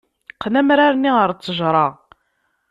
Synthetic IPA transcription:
qːnæmɾaɾniʁəɾt͡sːəʒɾˤɑʁ

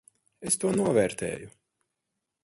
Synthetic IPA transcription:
est̪uɔnuɔvɛːɾt̪ḛːju

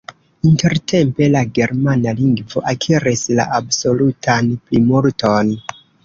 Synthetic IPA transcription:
inte̞ɾte̞mpe̞laɡe̞ɾmanaliŋɡvo̞ʔakʰiɾisla̰ʔabso̞lutʰanplimuɾto̞n

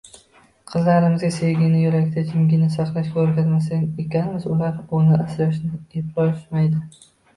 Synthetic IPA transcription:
qʰɨzlaɾɪmɪzɡʲasejɡʲɪŋnɪjʊɾakʲt̪ʰat̪ʰɪmɡʲɪnɪsaqlˠaʃɡʲaoɾkʲazmas̬aŋekʲanɪmɪzʊlaɾʊnɪʔaslaʃnɪepɾɒʃmajd̪ɪ

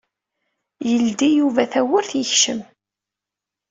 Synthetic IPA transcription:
jəld̪ijuvæθæwəɾθjəçʃəm

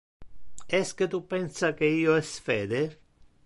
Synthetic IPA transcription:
ɛsket̪upːɛnsakeiːoɛsfeːd̪e

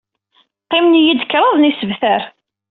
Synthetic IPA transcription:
qːɪmnjid̪ə̥kːɾˤɑðˤnisəvθæɾ

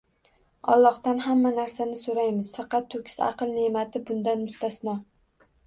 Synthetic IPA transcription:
ɒ̰lˠːɒχt̪anɦamːanaɾsanɪsoɾajmɪz̥fɑqʰɑt̪ʰːɵkʲʰɪ̥zɑ̰qɨlˠne̞mat̪ʰɪbʊnd̪anmʊst̪asnɒ

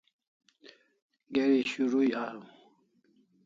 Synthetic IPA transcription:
ɡeɾiɕuɾuiaːɾũ

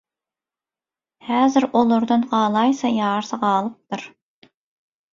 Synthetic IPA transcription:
hæːzɪɾolˠʊɾd̪ɨnʁɑːlˠɑjsɑjɑːɾsɑʁɑːlˠɨp̚t̪ʰuɾ

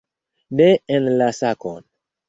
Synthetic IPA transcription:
neenlasakon

